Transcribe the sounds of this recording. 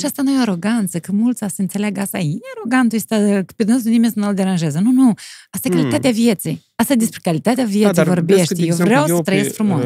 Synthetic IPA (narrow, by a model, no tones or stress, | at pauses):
ʃiast̪anojoaɾoɡant̪səkɨmult̪sasəɨnt̪se̞lʲaɡast̪aiaɾoɡant̪ujst̪akpʲed̪ɨnɨsunimʲesənold̪eɾanʒezənunuast̪akalit̪at̪ʲeavjet̪sij | ast̪ad̪espɾʲekalit̪at̪ʲeavjeiɾvorbeʃt̪ʲjewvɾʲawsət̪ɾəjeskfɾumos